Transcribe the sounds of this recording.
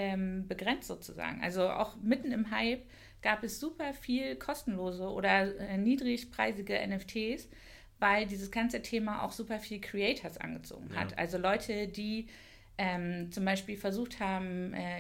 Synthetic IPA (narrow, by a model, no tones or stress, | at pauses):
ʔɛːmbəɡʁɛnt͡stz̥o̰ːt͡suza̰ːɡŋ̩ʔa̰lzoʔa̰ʊxmɪtn̩ɪmɦaɪp | ɡ̥aːpɛsz̥uːpɐfiːlkʰɔstn̩loːzəʔo̰ːdɐɛːniːdʁɪçpʁ̥aɪzɪɡəʔɛ̰nɛftʰeːs | vaɪldiːzəsɡ̥ant͡sətʰeːmaʔa̰ʊxz̥uːpɐfiːlkʁ̥iɛɪtʰɐsʔa̰nɡət͡so̰ːɡŋ̩ɦa̰tʔa̰lzolɔʏtʰədiː | ʔɛːmt͡sʊmbaɪʃpiːlfɛɐzuːxthaːbm̩ʔɛː